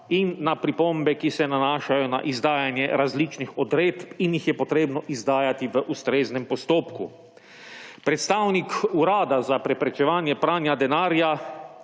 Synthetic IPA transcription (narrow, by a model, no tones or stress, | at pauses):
inːapɾipombɛkisɛnanaːʃajɔna̰ʔizd̪aːjanjɛɾazlit͡ʃnixɔd̪ɾeːt̪pinjixjɛpɔt̪ɾeːbnɔʔizd̪aːjat̪iʋəʔust̪ɾeːznɛmpɔst̪oːpkṵ | pɾɛt̪st̪aːwnikuɾaːd̪azapɾɛpɾɛt͡ʃɛʋaːnjɛpɾaːnjad̪ɛnaːɾja